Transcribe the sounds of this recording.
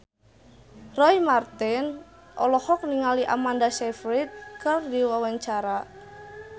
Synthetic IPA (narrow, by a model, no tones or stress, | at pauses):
rɔimart̪in | ʔɔ̰lɔhɔk̚niŋaliʔa̰mandasɛfɾit̪̚kɨrdiwawaɲt͡ʃaɾa